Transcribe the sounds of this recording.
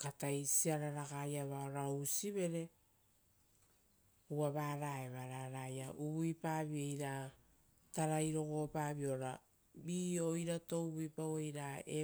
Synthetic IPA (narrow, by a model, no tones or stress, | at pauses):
katajsiaɾaɾaɡajaβaoɾausiβe̞ɾe̞ | uaβaːɾaeβaɾaɾajaʔuβuipaβiejɾa | taɾajɾo̞ɡo̞paːβio̞ɾa | bio̞jɾato̞wβipawejɾae